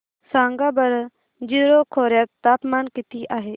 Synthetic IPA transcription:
sãːŋɡaːbɐɾ | d͡ʒɪɾoːkʰoːɾjat̪aːpmaːnkɪt̪ʰiʔaːɦeː

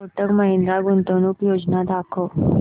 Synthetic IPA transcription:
oʈəkmaɦind̪ɾaɡunt̪ənuːpjod͡ʑnad̪akʰo

